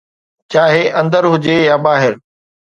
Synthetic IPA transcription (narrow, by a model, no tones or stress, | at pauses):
t͡ɕaːɦeʔɐ̃nd̪əɾɦʊd͡ʑeɐbaːɦɪɾ